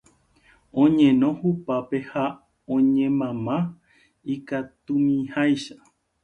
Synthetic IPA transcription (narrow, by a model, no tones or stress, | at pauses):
õɲẽ̞nõ̞hupapeha | õɲẽmãmã | ikat̪umĩhajʃa